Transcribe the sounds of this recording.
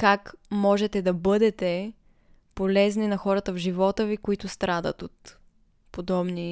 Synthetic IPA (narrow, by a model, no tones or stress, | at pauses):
kakmɔʒɛt̪ɛd̪ɐbɤd̪ɛt̪ɛ | polɛzninɐxɔɾət̪əvʒivɔt̪əvikoit̪ʊst̪ɾad̪ə̰t̪ot̪ | pod̪ɔbni